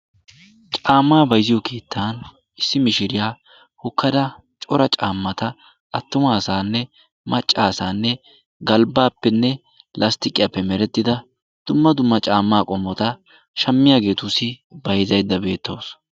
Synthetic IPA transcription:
t͡ʃʼaːmːaːbɐjzɪjɔke̞ːt̪ʰːaːn | ɪsːɪmɪʃɪɾɪjaː | hʊkʰːɐd̪ɐ | t͡ʃʼɔɾɐt͡ʃʼaːmːɐt̪ɐ | ɐt̪ːʊmaːsaːnːɛ | mɐt͡ʃʼːaːsaːnːɛ | ɡɐlbaːpːɛnːɛ | lʔɐst̪ɪkʼːɪjapːɛmɛɾɛt̪ːɪd̪ɐ | d̪̥ʊmːɐd̪ʊmːɐt͡ʃʼaːmːaːkʼɔmːɔt̪ɐ | ʃɐmːɪjaːɡe̞ːt̪ʊsɪbɐjzɐjd̪ːɐbe̞ːt̪ːo̞ːs

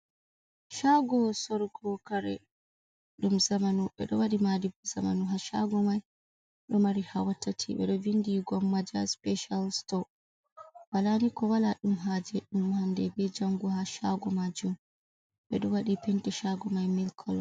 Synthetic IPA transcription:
ʃaɡɔsɔɾɡɔkaɾɛ̰ | ɗumzamanuɓɛ̰ɗɔwaɗimadibzamanuɦaʃa̰ɡɔmaj | ɗɔmaɾihawatʰːatʰiɓɛ̰ɗɔvindiɡɔmːad͡ʒaspɛʃalstɔ | walanikɔwalaɗumɦaːd͡ʒɛɗumhamdɛbɛd͡ʒaŋɡuhaʃaɡɔmad͡ʒum | ɓɛ̰ɗɔwaɗipɛntɛʃaɡɔmajmilkʰɔl

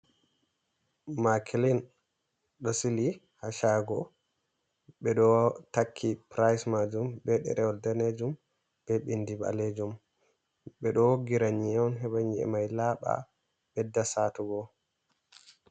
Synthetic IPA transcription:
makʰlin | ɗɔsili | haʃaɡɔ | ɓɛɗɔtakʰːipɾajsmad͡ʒumbɛɗɛ̰ɾɛɔldɛned͡ʒum | b̥ɛɓindiba̰led͡ʒum | ɓɛɗɔɡiɾaɲiɛɔnɦɛbaɲiɛ̰majlaːɓa̰ | ɓɛdːasaːtuɡɔ

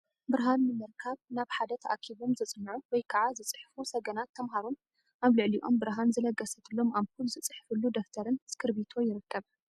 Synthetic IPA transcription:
bɨɾɦanːɨmɨɾkʰaβnaβħad̪ɐt̪ʰɐʔa̰kʰiβo̞mzɨt͡sʼɨnːɨʕuwɔjkʰɐʕazɨt͡sʼɨħfusɐɡɐnat̪ʰːɐmɦaɾun | ʔaβlɨʕliʔo̞̰mbɨɾɦanzɨlɐɡɐsɐt̪ʰɨlːo̞maβkulzɨt͡sʼɨħfɨlːud̪okt̪ʰɐɾɨnskʰɨɾbit̪ʰo̞jɪɾɨkːɐβ

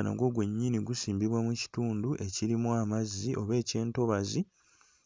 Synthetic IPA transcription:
na̰ɡwo̞ːɡwe̞ɲːiniɡusiːmbiβwamuci̥tuːnduʔe̞ciɾimuamazːiʔo̞βe̞ːce̞ːnto̞βazi

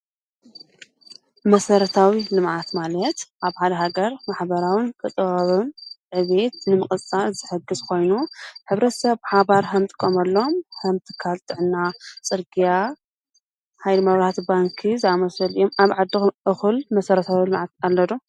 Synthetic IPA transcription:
mɐsɐɾɐt̪ʰawilɨmʕat̪malɐt̪ʔaβħad̪ɐɦaɡɐɾmaħbɐɾawinkʰɨt̪ʼɨɣɐβunʕɨβe̞t̪nɨmɨχʼɨt͡sʼalzɨħɨɡɨzkʰo̞jnuħɨβɾɐt̪ʰɐsɐβħaβaɾhɐmt̪ʼɨ̥kʼːomɐlːo̞mhɐmt̪ʰɨ̥kʰːalt̪ʼɨʕɨnːat͡sʼɨɾɡija | hajlɨmɐβɾaat̪baŋkʰizɨamɐsɐlijomaβʕad̪ːɨʔɨxɨlmɐsɐɾɐt̪ʰawilɨmʕat̪̚alːɐd̪o

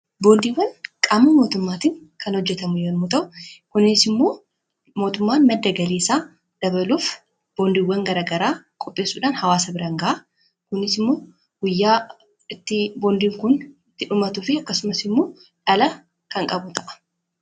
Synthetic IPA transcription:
bo̞ːnd̪iːwɐnkʼaːmːɐmo̞ːt̪ʊmːaːt̪ɪŋ | kʰɐnhɔd͡ʒːɛt̪ɐmʊjoːnmʊt̪ɐʔʊkʊnɪsɪmːo̞ː | mo̞ːt̪ʊmːaːnmɐd̪ːɐɡɐleːsaː | d̪̥ɐbɐluːf | b̥o̞ːnd̪iːwːɐŋɡɐɾaːɡɐɾaːkʼɔpʼːe̞ːsːuːᶑaːnhɐwaːsɐbɪɾɐŋɡɐʔa | kʊnɪsɪmːo̞ː | ɡ̥ʊjːaː | ɪt̪ːɪbo̞ːnd̪iːŋkʊnɪt̪ːɪᶑʊmɐt̪uːfɪɐkːɐsʊmɐsɪmːo̞ː | ᶑɐlɐ | kɐŋkʼɐbʊt̪ʰɐʔɐ̥

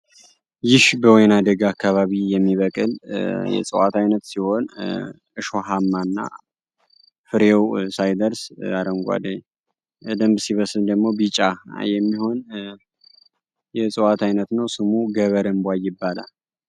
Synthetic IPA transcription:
jɪʃbəwɔjnad̪əɡakʰːaβaβijɛmːiβəkʼɨljɛ̰t͡sʼɨwat̪ʰajnət̪siho̞n | ɨʃoɦamːanːa̰ | fɨɾewsajd̪əɾsaɾəŋɡʷa̰d̪əɲː | d̪əmbsiβəsɨld̪əɡmo̞bit͡ʃʼajɛmːiho̞n | jɛt͡sʼɨwat̪ʰajnət̪nəwsɨmuɡəβəɾəmbwajɪbːala̰l

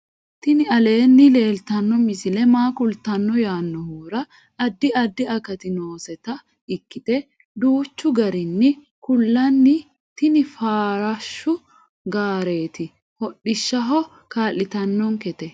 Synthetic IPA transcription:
t̪ɪnɪɐle̞ːnːɪle̞ːlt̪ɐnːɔmɪsɪlɛmaːkʊlt̪ɐnːɔjaːnːɔhuːɾɐ | ɐd̪ːɪɐd̪ːɪɐkɐt̪ɪno̞ːsɛt̪ɐ | ɪkːɪt̪ɛ | d̪uːt͡ʃːʊɡɐɾɪnːɪ | kʊlːɐnːɪ | t̪ɪnɪfaːɾɐʃːʊ | ɡaːɾe̞ːt̪ɪ | hɔɗːɪʃːɐɦɔ | kaːlːɪt̪ɐnːɔŋkɛt̪ɛ

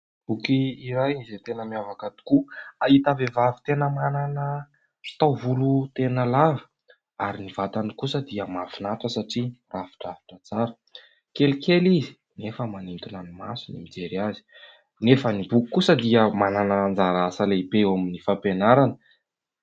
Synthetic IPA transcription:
b̥ukiːɾaj̪izet̪enəmiavakat̪u̥kuait̪avevavi̥t̪enəmananə | fi̥t̪awvulut̪enəlavə̥ | aɾinivat̪anikusəd̪iəmavinat̪wəsaʈ͡ʂiravi̥ʈ͡ʂavi̥ʈ͡ʂət͡saɾə | kelikʰelizi | nefəmanint̪unanimasunimid͡zeɾiazi̥ | nefənibukikːusəd̪iəmananaand͡zaɾasaleibewaminifapenaɾanə

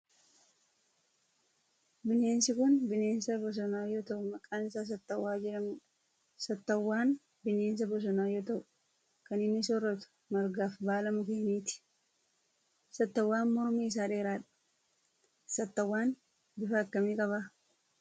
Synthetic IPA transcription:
bɪne̞ːnsɪkʊnbɪne̞ːnsɐbɔs̬ɔnaːjoːt̪ɐʔʊmɐkʼaːnɪsaːs̬ɐt̪ːɐwːaːd͡ʒɛɾɐmuːᶑɐ̥ | sɐt̪ːɐwːaːn | bɪne̞ːns̬ɐbɔs̬ɔnaːjoːt̪ɐʔʊ | kɐnɪnːɪsɔrːɐt̪ʊ̥ | mɐɾɡaːfbaːlɐmʊkeːniːt̪ɪ̥ | sɐt̪ːɐwːaːnmɔɾmiːɪs̬aːᶑe̞ːɾaːᶑɐ̥ | sɐt̪ːɐwːaːn | bɪfɐːkːɐmiːkʼɐβaː

